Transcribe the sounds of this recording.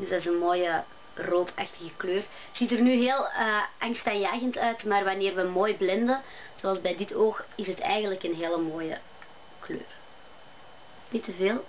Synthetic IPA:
dydaɪzənmoːjə | roːtʰa̰xtəɣəkløːr | z̥itərnyɦeːlˠəʔaŋstanjaːɣəntœɥtmaːrʋaneːrʋəmoːjblɛndə | z̥oɑlˠzbɛjdɪtoːxɪsɦətʰɛ̰jɣəntləkənɦeːləmoːjə̰ | klø̰ːr | snitəveːlˠ

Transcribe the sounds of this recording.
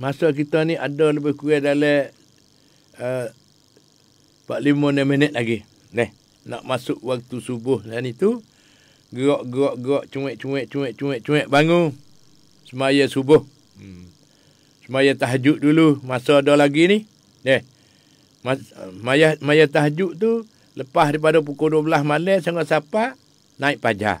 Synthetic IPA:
masɔʔk̬it̪ɔniadɔləbɪhkuɛdalɛ | ə | paʔlimonɛmənɛt̪̚laɡi | dɛh | na̰ʔmasʊʔwak̚t̪usubʊhsanit̪u | ɡɾɔʔɡɾɔʔɡɾɔʔt͡ʃuwɛʔt͡ʃuwɛʔt͡ʃuwɛʔt͡ʃuwɛʔt͡ʃuɛʔbaŋu | səmajəsubʊh | səmajət̪aɦd͡ʒuʔdulumasɔdolaɡinih | dɛh | mamajamajəht̪aɦd͡ʒuʔt̪u | ləpaɦɾip̬adop̬ukohduəbəlasmaləsaŋɔʔsapa | naiʔpad͡ʒa̰

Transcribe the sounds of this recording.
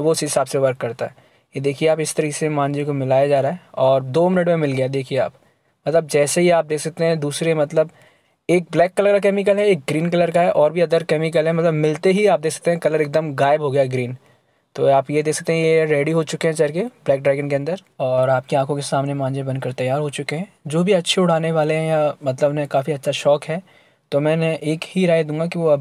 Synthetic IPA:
ʋoɪseɦɪsaːbseʋɐɾkːɐɾt̪aɦɛ | jed̪eːkʰieaːpɪst̪ɐɾiksemãːnd͡ʒekomɪlaːjad͡ʒaːɾaɦɛɔːɾd̪oːmɪnəʈmẽmɪlɡɐjad̪eːkʰiea̰ːp | mɐt̪ləb̚d͡ʒɛːseɦiaːp̚d̪eːksɐk̚t̪eɦɛ̃d̪uːsɾemɐt̪ləb | eːk̚blɛːkːɐləɾkak̬ɛːmɪk̬əlɦɛeːk̚ɡɾiːnkɐləɾkaɦɛʔɔːɾbʱiɐd̪əɾkɛːmɪkəlɦɛmɐt̪ləbmɪlt̪eɦiaːp̚d̪eːksɐ̥k̚t̪eɦɛ̃kɐləɾeːk̚d̪əmɡaːɪbɦoːɡɐjaɡɾiːn | t̪o̰ːaːpjed̪eːksɐk̚t̪eɦɛ̃jeɾɛːɖiɦot͡ʃʊkeɦɛ̃t͡ʃɛɾkeblɛːk̚ɖɾaːɡənkeɐ̃nd̪əɾ | ɔːɾaːp̚keãːkõkesaːmnemãːnd͡ʒebɐnkɐɾt̪ɐjːaːɾɦot͡ʃʊkeɦɛ̃d͡ʒoːbʱiɐtːʃʰeʊɽ̤aːneʋaːleɦɛ̃jamɐt̪ləbnekaːfiɐtːʃʰaʃɔːkɦɛː | t̪omɛ̃ːnʔeːkhiɾaːed̪ũːŋɡakiʋoɐb

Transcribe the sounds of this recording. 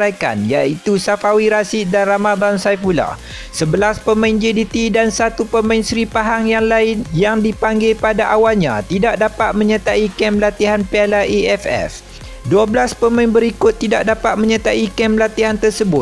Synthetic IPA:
ajka̰njait̪usafawiɾasidanramad̪ansajfula̰ | səbəlaspəmãnd͡ʒidit̪idansat̪upəmãɪnsɾipaɦaŋjaŋlaɪnjaŋdipaŋɡepadaʔawalɲã̰t̪idaʔdapat̪̚mə̃ɲat̪aikɛmlat̪iɦanpealaʔiɛfɛ̰f | duabəlaspəmãŋbəɾikʊt̪ːidaʔ̚dapat̪̚mə̃ɲat̪aʔikɛmlat̪iɦant̪ərsəbʊt̪̚

